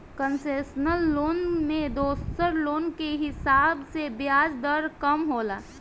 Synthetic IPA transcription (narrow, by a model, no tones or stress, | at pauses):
kənseːʃnəlːoːnmẽd̪oːssəɾloːnkeɦɪsaːbsebjaːd͡ʒd̪əɾkəmɦoːlaː